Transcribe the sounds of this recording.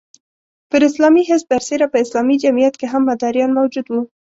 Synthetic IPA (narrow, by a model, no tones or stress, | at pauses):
pəɾɪslɑmiɦɪs̚b̪aɾseɾapəɪslɑmid͡ʒamijat̪keɦamːad̪ɑɾjɑnmawd͡ʒud̪wu